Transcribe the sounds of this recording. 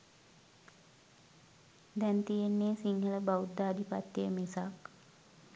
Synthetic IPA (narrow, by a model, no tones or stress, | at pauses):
d̪ɛnt̪ijenːeːsiŋhələbaud̪aːd̪ʱipat̪ːejəmesak